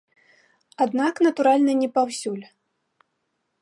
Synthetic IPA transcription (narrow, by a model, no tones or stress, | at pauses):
ad̪naknɐt̪uɾalʲnɐnʲɛpawsʲulʲ